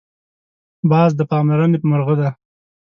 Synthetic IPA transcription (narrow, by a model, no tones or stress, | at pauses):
bɑzd̪əpɑmlaɾənepəmʊɾɣəd̪a